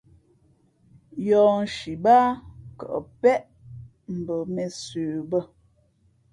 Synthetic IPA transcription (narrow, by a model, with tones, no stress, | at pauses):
jɔː˨n̩˨ʃi˨ba˦kə̰˨ʔpɛ˦ʔ | m̩˨bə˨mɛ˨sʉː˨bə˦